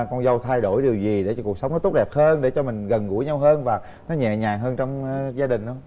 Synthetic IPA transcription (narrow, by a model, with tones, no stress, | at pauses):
kɔ˧nzə˧wt̪ʰa˧jɗo˧˩jɗi˨˩əwzi˨˩ɗe˧˩ɔ˧ku˨˩ək̚sə˨˦wŋ͡mnɔ˨˦t̪u˦˥ɗɛ˨˩p̚həː˧nɗe˧˩t͡ɕɔ˧mï˨˩ŋ̟ɣə˨˩nɣṵ˧˩˥jɲa˧wɦəː˧nvaː˨˩ | nɔ˨˦ɲɛ̰˧˨ɲaː˨˩ŋɦəː˧nt͡ɕɔ˧wŋ͡mzaː˧ɗï˨˩na̰˨˦